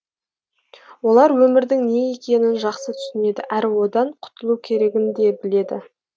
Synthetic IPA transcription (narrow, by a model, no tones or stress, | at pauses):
wo̞lˠɑɾwɵmɪɾd̪ɪŋne̞je̞kʲe̞nɪnʒɑqsət̪ʰʏ̥sɪne̞d̪ɪʔæɾwo̞d̪ɑɴqʰʊ̥t̪əlˠukʲʰe̞ɾe̞ɡʲɪnd̪e̞bɪle̞d̪ɪ̰